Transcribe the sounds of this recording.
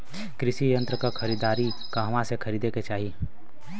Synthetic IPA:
kɾɪʃijə̃nt̪ɾəkaxʰɐɾiːd̪aːɾi | kaɦɐmãsekʰɐɾiːd̪eket͡ʃaːɦi

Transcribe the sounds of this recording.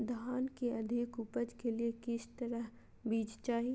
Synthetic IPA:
d̪ʱaːnkeɐd̪ʱɪkʊpəd͡ʒkeliekɪst̪ɐɾəɦ | biːd͡ʒt͡ʃaːɦi

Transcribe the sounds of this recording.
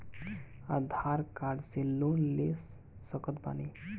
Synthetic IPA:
ad̪ʱaɾkaɾɖselonles | səkət̪̚ba̰ni

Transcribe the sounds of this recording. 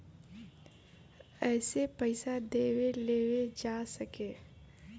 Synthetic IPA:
ɛːsepəɪsad̪eːweleːwed͡ʒaːsəkeː

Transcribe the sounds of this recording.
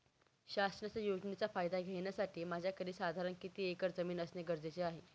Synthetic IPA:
ɕasɳat͡səjod͡ʑnit͡safajd̪ʱaɡʱeɳjasaʈʰiːmad͡ʑʱjakəɾiːsad̪ʱaɾənkit̪iːekəɾd͡zəmiːnəsneɡəɾd͡zet͡seaɦe

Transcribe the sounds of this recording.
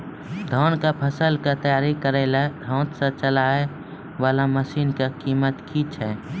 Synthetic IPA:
d̪ʱoːnkapʰəsəlkat̪əjaːɾikəɾelad̪ʱõːt̪sə̃t͡ʃəlaːe | ʋaːlaməsiːnkakiːmət̪kʰit͡ʃʰɛː

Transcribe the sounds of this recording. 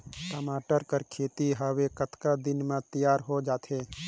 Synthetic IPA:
ʈəmaːʈəɾkəɾkʰeːt̪iɦawekət̪kad̪ɪnmẽt̪ijaːɾɦod͡ʒaːt̪ʰɦeː

